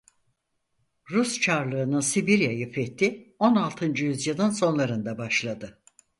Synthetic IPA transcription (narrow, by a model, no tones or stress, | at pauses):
ɾust͡ʃʰaɾlˠɯːnɯnsibiɾjajɯfɛt̪ʰːio̞nalˠt̪ʰɯnd͡ʒɯjyzjɯlˠɯnso̞nlˠaɾɯnd̪abaʃlˠad̪ɯ